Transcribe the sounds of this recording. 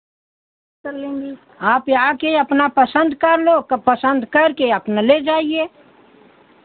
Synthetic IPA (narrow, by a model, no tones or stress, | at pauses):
kəɾlẽːɡi | aːpaːkeɐpnapəsə̃nd̪kəɾlokpəsə̃nd̪kəɾkeɐpnaled͡ʒaːieː